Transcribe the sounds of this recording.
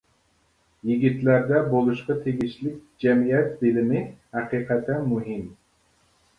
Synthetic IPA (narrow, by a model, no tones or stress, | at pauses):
jiɡʲit̪læɾd̪ɛbolˠuʃqɑt̪ʰeɡʲiʃlɪk̚ʲd͡ʒɛmijɛt̪̚bɪlɪnɪhæqiːqɛt̪ʰːɛnmuɦɪm